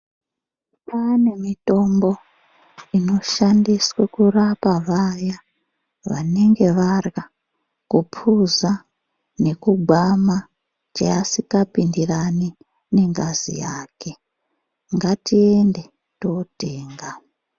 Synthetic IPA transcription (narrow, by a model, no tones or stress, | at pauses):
pane̞mito̞mbo̞ | ino̞ʃandiswekurapaʋaja | ʋa̰ne̞ŋɡe̞ʋarɡa | kupʰuza | ne̞kuɡʱama | t͡ʃḛasikapindirani | ne̞ŋɡazḭjaːke̞ | ŋɡatiende̞ | toteːŋɡa